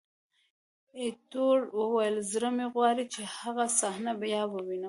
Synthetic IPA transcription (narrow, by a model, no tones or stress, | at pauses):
et̪oɽwəwajəlzɾəmeɣwɑɾit͡ʃehaɣasahnabajɑːbəwina